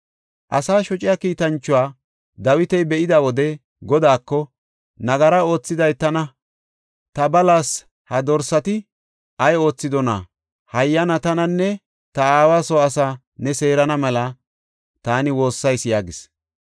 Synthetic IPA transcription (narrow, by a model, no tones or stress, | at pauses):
ʔɐsaːʃɔt͡ʃʼɪjɐkiːt̪ɐnt͡ʃːʊaː | d̪ɐwɪt̪ɛjbɛʔɪd̪ɐwɔd̪ɛ | ɡɔd̪aːkːɔ | nɐɡɐɾɐo̞ːt͡sːɪd̪ɐjt̪ɐnɐ | t̪ɐbɐlaːs | hɐd̪ɔɾsɐt̪ɪ | ʔɐjo̞ːt͡sːɪd̪ɔnɐ̰ | hɐjːɐnɐt̪ɐnɐnːɛ | t̪ɐaːwaːsɔɐsa | nɛse̞ːɾɐnɐmɐlɐ | t̪aːnɪwo̞ːsːɐjsjaːɡɪs